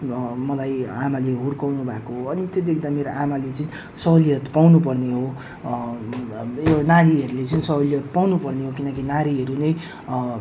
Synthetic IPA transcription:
mʌlajamaleɦurkawnubʱakoɦoʌnit̪jod̪ekʰd̪ameɾoʔamalet͡sʌĩ | sʌɦliʌt̪pawnupʌrneɦo | enaɾiɦʌɾulet͡sʌĩsʌɦliʌt̪̚pawnupʌrneɦokinʌkinaɾiɦʌɾunʌj

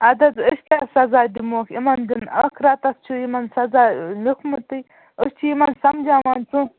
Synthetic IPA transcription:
ɐd̪ɐd̪əʃkʲaːsɐzaːd̪imoːkʰimɐnd̪inɐkʰɾat̪ɐst͡ʃʰuimɐnsɐzaːlukʰmut̪ɨj | ust͡ʃʰiimɐnsɐmd͡ʒaːmɐnt͡su

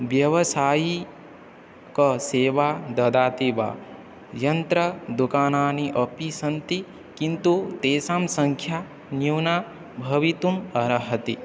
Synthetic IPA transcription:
ʋjɐʋɐsaːji | kɐseːʋaːd̪ɐd̪aːt̪iʋa̰ː | jɐnt̪ɾɐd̪ukaːnaːniʔɐpisɐnt̪i | kint̪ut̪eːsaːmsɐŋkʰja | njuwnaː | bʱɐʋit̪umɐɾɐɦɐt̪i

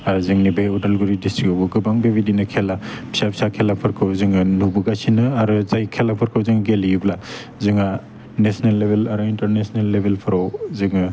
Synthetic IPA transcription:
aɾzɯŋnibeudalɡuɾidistɾikɔwbɯɡɯbaŋbebidinɯkʰelabi̥sabʰi̥sakʰelapʰɯɾkʰɯwzɯŋɯnubuɡasinɯaɾɯzajkʰelapʰɯɾkʰɯwzɯŋɡelijubla | zɯŋa | nesnelːebʱelaɾɯintɐɾnesnelːebʱelpʰɯɾawzɯŋɯ

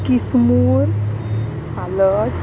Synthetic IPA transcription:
kismuɾ | salət

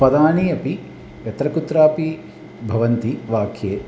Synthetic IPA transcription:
pɐd̪aːnijɐpi | ʋjɐt̪ɾɐkut̪ɾaːpi | bʱɐʋɐnt̪iʋaːkʰjeː

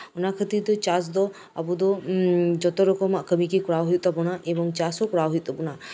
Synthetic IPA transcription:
ɔnakʰət̪id̪ɔt͡ʃasd̪ɔ | abud̪ɔd͡ʒɔt̪ɔɾɔkɔmaʔkəmikekɔɾawɦij̪̚t̪abɔnaʔebɔŋt͡ʃasɔkɔɾawɦij̚t̪ɔbɔna

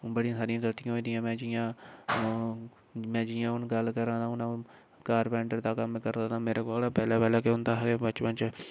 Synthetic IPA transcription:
bəɽijãːsaːɾijãːɡəlt̪ijãːɦoiːd̪ijãːmɛ̃ːd͡ʒɪjãː | mɛ̃ːd͡ʒɪjãːʊnɡəlkəɾãːd̪aːʊnãː | kaːɾpɛ̃ːɳɖəɾd̪aːkəmkəɾd̪aːt̪ãːmeːɾeːkoːlaːpɛːlaːpɛːlaːkeʊnd̪aːɦəleːbət͡ʃpə̃nt͡ʃ

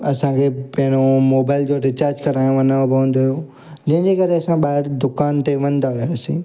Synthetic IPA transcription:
ɐsãkʰepɐ̃ɦɪ̃ɽ̃omoːbaːɪld͡ʑoːɾɪt͡ɕaːɾd͡ʑkɐɾaːjõɐnaõbɪɦə̃n̆d̪oɦijoː | d͡ʑɐ̃ɦɪ̃ɲd͡ʑekɐɾeɐsãɓaːɦɪɾd̪ʊkaːnt̪eʋɐ̃nd̪aʋijasĩː

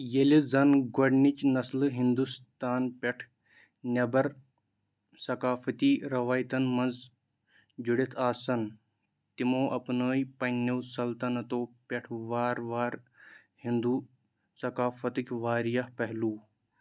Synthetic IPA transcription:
jelizɐnɡoɖnit͡ʃnɐslɨɦind̪ust̪aːnpʲeʈʰ | nʲɐbɐɾ | sɐkaːfɐt̪iːɾɐʋaːjt̪ɐnmɐnz | d͡ʒuɽit̪ʰaːsɐn | t̪imõːʔɐpnəːjpɐnːiwsɐlt̪ɐnɐt̪oːpʲeʈʰʋaːɾʋaːɾ | hind̪uː | sɐkaːfɐt̪ɨkʲʋaːɾijɐhpɐɦluː

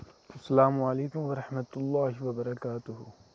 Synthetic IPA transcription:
ʔɐsːɐlaːmuʕaleːkʊmwɐɾˤɑħmɐt̪lˤːaːɦiwɐbɐɾˤɐkaːt̪ʊɦʊ

